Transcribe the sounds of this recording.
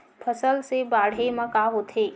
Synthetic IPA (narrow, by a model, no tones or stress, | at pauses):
pʰəsəlsebaɽ̤eməkaɦot̪ʰe